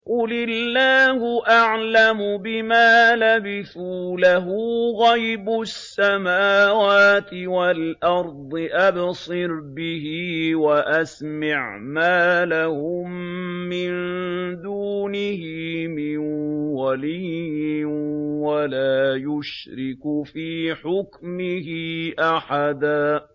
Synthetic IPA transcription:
qʊlɪlːaːhʊʔaʕlamʊbɪmaːlabɪθuːlaɦuːɣajbʊsːamaːwaːt̪ɪwalʔɑɾˤd̪ˤɨʔabsˤɨɾbɪhiːwaʔasmɪʕmaːlahʊmːɪnd̪uːnɪhɪmɪnwaliːɪwalaːjʊʃɾɪkʊfiːħʊkmɪhɪʔaħad̪aː

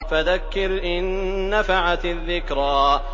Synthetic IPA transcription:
faðakːɪɾʔɪnːafaʕat̪ɪðːɪkɾaː

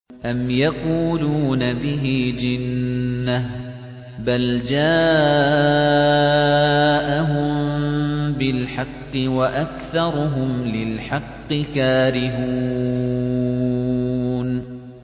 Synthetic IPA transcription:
ʔamjɑquːluːnabɪɦid͡ʒɪnːa | bald͡ʒaː | ʔaɦʊm | bɪlħɑqːɨwaʔakθɑɾˤʊɦʊmlɪlħɑqːɨkaːɾɪɦu | n

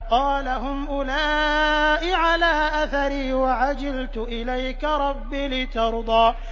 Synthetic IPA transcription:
qɑːlaɦʊmʔʊlaːʔɪʕalaːʔaθaɾiːwaʕad͡ʒɪlt̪ʊʔɪlajkaɾˤɑbːiːlɪt̪ɑɾˤd̪ˤɑː

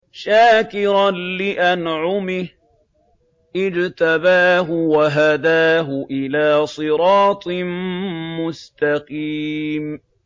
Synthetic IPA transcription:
ʃaːkɪɾanlɪʔanʕʊmɪh | ʔɪd͡ʒt̪abaːɦʊwaɦad̪aːɦʊʔɪlaːsˤɨɾɑːt̪ˤmmʊst̪aqiːm

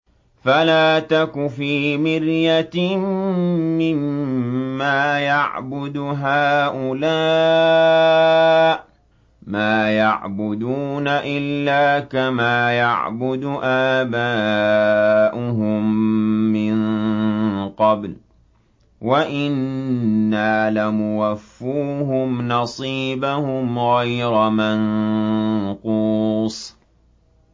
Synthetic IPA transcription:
falaːt̪akʊfiːmɪɾjat̪ | ɪmː | aːjaʕbʊd̪ɦaːʔʊlaː | ʔ | maːjaʕbʊd̪uːnaʔɪlːaːkamaːja̰ʕbʊd̪ʊʔaːbaː | ʔʊɦʊmː | ɪn | qɑbl | waʔɪnː | aːlamʊwafːuːɦʊmnɑsˤiːbahʊmɣajɾaman | quːsˤ

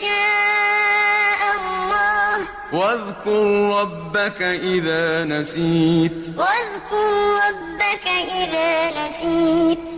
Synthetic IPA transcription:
ʃaː | ʔallːɑːh | waðkʊɾɾˤɑbːakaʔɪðaːnasiːt̪ | waðkʊɾɾˤɑbːakaʔɪðaːnasiːt̪

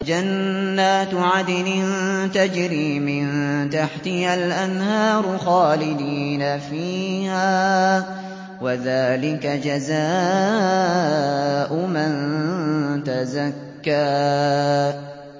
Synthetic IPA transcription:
d͡ʒanːaːt̪ʕad̪ɪlɪnt̪ad͡ʒɾiːmɪnt̪aħt̪ɪhalʔanhɑːɾˤʊxaːlɪd̪iːnafiːhaː | waðaːlɪkad͡ʒazaː | ʔʊman | t̪azakːaː

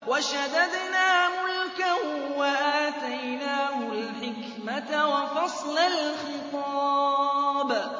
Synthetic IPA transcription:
waʃad̪ad̪naːhʊlkawwaʔat̪ajnaːhʊlħɪk | mat̪wafɑsˤlalxɪt̪ˤɑː | b

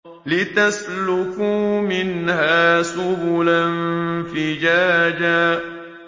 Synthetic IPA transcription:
lɪt̪aslʊkuːmɪnhaːsʊbʊlanfɪd͡ʒaːd͡ʒaː

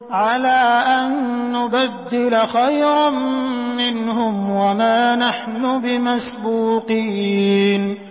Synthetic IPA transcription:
ʕalaːʔanːʊbad̪ːɪlaxajɾɑnmɪnhʊmwamaːnaħnʊbɪmasbuːqiːn

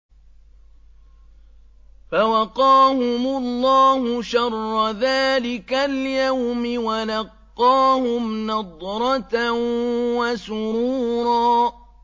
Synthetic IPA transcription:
fawɑqɑːhʊmʊlːɑːhʊʃɑrˤːɑðaːlɪkaljawmɪwanɑqːɑːhʊmnɑd̪ˤɾˤɑt̪awasʊɾuːɾˤɑː

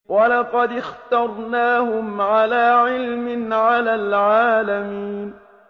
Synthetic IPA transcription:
walɑqɑd̪ɪxt̪ɑɾˤnaːhʊmʕalaːʕɪlmɪnʕalaːlʕaːlamiːn

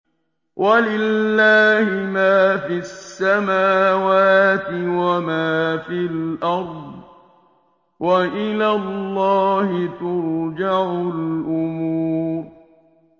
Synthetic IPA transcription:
wʔalɪlːaːhɪmaːfiasːamaːwaːt̪ɪwamaːfilʔɑɾˤd̪ˤ | wʔaʔɪlalːɑːhɪt̪ʊɾd͡ʒaʕʊlʔʊmuːɾ

